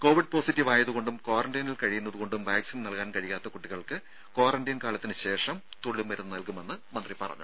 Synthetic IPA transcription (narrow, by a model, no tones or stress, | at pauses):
ko̞ːʋiɖ̚po̞ːsitːiʋaːjɐðuɣo̞ɳɖumko̞ːrɐnɖinilkɐɻijunːɐðuɣo̞ɳɖumʋaːksinnɐlkaːnkɐɻijaːt̪ːɐkuʈːiɣɐɭkɨ | ko̞ːrɐɳɖinkaːlɐt̪ːinɨɕe̞ːʂɐmt̪oɭːimʋɐɾunːɨnɐlkume̞nːɨmɐnd̪ripɐ̰rɐ̰ɲːu